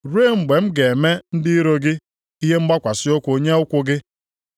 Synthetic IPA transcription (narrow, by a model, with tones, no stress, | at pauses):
ɾe˦˨ŋ͡m̩˨ɡ͡be˨m̩˦ɡe˨e˨me˦n̩˦dɪ˦ɾo˦ɡɪ˦ | i˦ɦe˦m̩˦ɡ͡ba˦kʷa˨sɪ˦ʊ˦kʷo˨ɲe˦ʊ˦kʷʊ˦ɡɪ˦